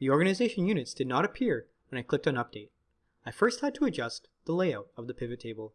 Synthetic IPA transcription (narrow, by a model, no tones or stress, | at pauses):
ðiɔɹɡɨnɨzeɪʃɨ̃n̩jʉnɨtsd̥ɨdⁿnəɾɨpʰɪɹ | wə̃ñaɪkʰl̥ɪp̚tɨ̃nʌp̚d̥eɪɾ̚ | aɪfɜ˞st̚hɨd̚tʰəːd͡ʒʌst | ðəleɪaʊɾʌvðɨpʰɪvɨtʰeɪbəl̩ˠ